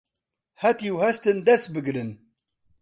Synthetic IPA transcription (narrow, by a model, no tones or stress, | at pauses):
hæt̪iwhæst̪ənd̪æsbəɡɾən